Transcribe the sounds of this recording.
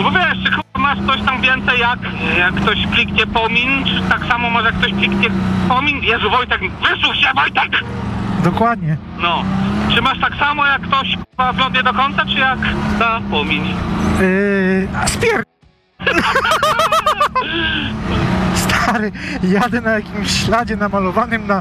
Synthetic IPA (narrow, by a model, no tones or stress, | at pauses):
ɔbɔvʲjɛʂt͡ʂɨxɘbamaʂt̪sɔɕt̪amvʲjɛnt̪sɛjjakjakːt̪ɔɕplʲikɲɛpɔmʲint͡ʂɨt̪aksamɔmɔʐɛjakːt̪ɔɕplʲikɲɛpɔmʲinjɛʐuvɔjt̪ɛkvɘswuxt͡ɕɛvɔjt̪akd̪ɔkwad̪ɲɛ | nɔt͡ʂɨmaʂt̪aksamɔjakːt̪ɔɕpavlɔnd̪ɲɛd̪ɔkɔnt̪sat͡ʂɨjakd̪apɔmʲiɲ | aspʲjɛɾ | st̪ʰaɾɘjad̪ɛnajakʲimɕɕlad͡ʑɛnamalɔvanɘmna